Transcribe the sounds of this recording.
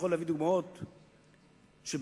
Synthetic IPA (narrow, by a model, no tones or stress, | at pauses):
χolːavid̪uɡmaot̪ | ʃeb